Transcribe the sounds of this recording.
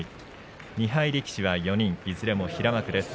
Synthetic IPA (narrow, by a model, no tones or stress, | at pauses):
i | ɲ̟iɦaiɾʲikʲi̥ɕiβajo̞ɲ̟ĩŋizɨɾe̞mo̞çiɾamakɯ̟d̪e̞sɨ̥